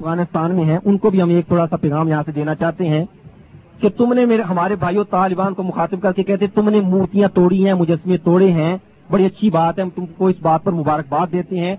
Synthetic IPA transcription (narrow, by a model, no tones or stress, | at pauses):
fɣaːnɪst̪aːnmẽɦɛ̃ʔʊnkobʱiɦɐmeːk̚t̪ʰoːɽasapɛːɣaːmjɐɦãsed̪eːnat͡ʃaːɦt̪eɦɛ̃ː | ket̪ʊmnemeːɦɐmaːɾebʱaːijot̪aːlɪbaːnkomʊxaːt̪ɪb̚kɐɾkekɛːɦt̪ẽt̪ʊmnemuːɾt̪ijãt̪oːɽiɦɛ̃ːmʊd͡ʒəsːmẽt̪oːɽeɦɛ̃ː | bɐɽiɐtːʃʰibaːt̪ɦɛ̃t̪ʊmkoɪsbaːt̪̚pɐɾmʊbaːɾək̚baːt̪̚d̪eːt̪eɦɛ̃ː